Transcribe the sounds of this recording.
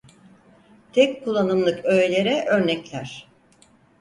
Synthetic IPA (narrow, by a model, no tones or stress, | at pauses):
t̪ʰɛc̚kʰulˠːanɯmlˠɯkøjelʲe̞ɾɛʔø̞ɾnɛclʲæɾ̥